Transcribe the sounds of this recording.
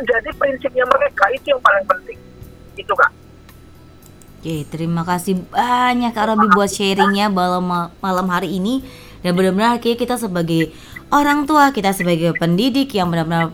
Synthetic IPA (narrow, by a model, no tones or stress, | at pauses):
d͡ʒadipɾinsɪp̚ɲaməkɛkait̪ujaŋpalɪŋpənt̪ɪŋ | it̪uka̰ʔ | ket̪əɾimakasɪhbaɲakːalolbɪhbuat̪̚ʃɛɾɪŋɲabalamamalamɦaɾiːni | danbənabənarkiakit̪as̬əbaɡaj | ʔoɾaŋt̪uakit̪asəbaɡajpəndidɪkjaŋbənabənar